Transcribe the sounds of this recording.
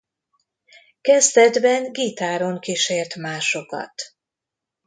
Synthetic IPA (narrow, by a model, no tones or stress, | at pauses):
kɛzt̪ɛd̪bɛŋɡit̪aːɾo̞ŋkiʃeːrt̪maːʃo̞kɒ̰t̪